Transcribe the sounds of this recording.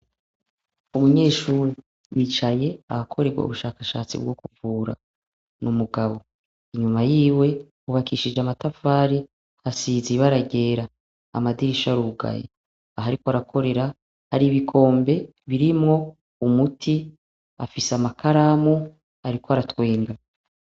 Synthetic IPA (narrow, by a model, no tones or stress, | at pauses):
umuɲe̞ːʃuːɾi | jit͡ʃaje̞ahakʰo̞ɾe̞ɡwa̰ṵβuʃaːkaʃaːt͡sḭb̚ɡokuvuːɾa̰ | nʔumuɡaβo̞ | iɲumajiːwe̞ | uβakiːʃid͡ʒeamatafaːɾi | hasiziβaɾaɟe̞ːɾa̰ː | madiɾiʃaɾuɡa̰jḛ | aɦaɾikoaɾakʰo̞ɾe̞ɾa | haɾiβikʰo̞ːmbe̞ | βiɾimŋo̞ | umutʰi | a̰fisamakʰaɾamu | aɾikoaɾatwe̞ːŋɡa